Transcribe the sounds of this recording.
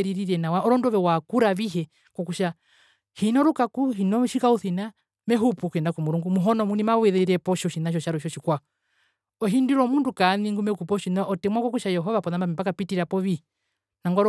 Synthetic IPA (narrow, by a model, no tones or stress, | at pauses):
ɛɾiɾiɾɛnawaɔɾɔndɔβɛwakuɾaβiɦɛ | kɔkuʃa | hinɔɾukakuɦinɔʃikauθina | mɛɦupukuɛndakumuɾuŋɡumuɦɔnɔmunimawɛðɛɾɛpɔʃɔʃinaʃ̬ɔʃaɾɔʃɔʃikwa | ɔɦindiɾɔmundukaniŋɡumɛkupɔʃinɔʔɔtɛmwakɔkuʃajɛɦɔvapɔðambamɛpakapitiɾapɔβi | naŋɡɔɾ